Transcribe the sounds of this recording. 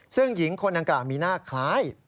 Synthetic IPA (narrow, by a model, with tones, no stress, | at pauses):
sɯ˥˩ŋji˩˦ŋkʰo˧nʔa˧ŋklaː˨˩wmiː˧naː˥˩kʰlaː˦˥j